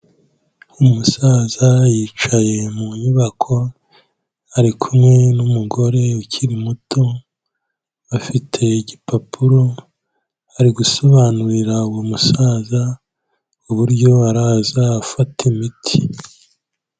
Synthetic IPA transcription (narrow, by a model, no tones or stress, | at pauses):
umusaːzajiːt͡ʃaje̞muɲuβakʰo̞ | aɾikʰumŋe̞numuɡo̞ɾe̞ucʰiɾimutʰo̞ | afitʰe̞ɟipapʰuɾo̞ | aɾiɡuso̞βaːnuɾiɾauwumusaːza | uβuɾɟo̞aɾaːzaːfatʰimitʰi